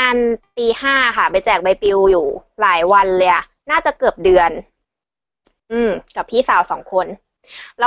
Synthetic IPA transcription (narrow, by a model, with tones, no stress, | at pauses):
aː˧npiː˧haː˥˩ka˥˩pa˧jt͡ɕɛː˨˩k̚ba˧jpi˧wjuː˨˩laː˩˦jwa˧nlɤː˧jʔa˨˩ | naː˥˩t͡ɕa˨˩kɤː˨˩p̚dɯ˧ən | ʔɯː˧˩mka˨˩pʰiː˥˩saː˩˦wsɔː˩˦ŋkʰo˧n | lɛː˦˥